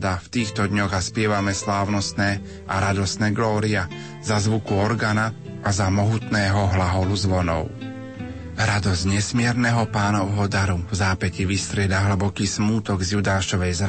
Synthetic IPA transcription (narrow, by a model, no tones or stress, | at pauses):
d̪aft̪iːxt̪ɔd̪ɲɔɣaspɪɛʋamɛslaːʊnɔst̪nɛː | ʔaɾad̪ɔst̪nɛːɡlɔːɾia | zazʋukuɔɾɡaːna | ʔazamɔɦut̪nɛːɦɔɦlaɦɔluzʋɔnɔ̰ʊ | ɾad̪ɔzɟɲɛsmɪɛɾnɛɦɔpaːnɔʊɦɔd̪aɾuvzaːpɛciʋist̪ɾɪɛd̪aɦl̩bɔkiːsmuːt̪ɔɡzjud̪aːʃɔʋɛjzɾ